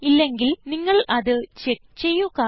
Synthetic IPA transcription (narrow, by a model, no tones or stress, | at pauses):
ilːe̞ŋɡilniŋːɐɭɐðɨt͡ɕek̚t͡ɕe̞jːuɣɐ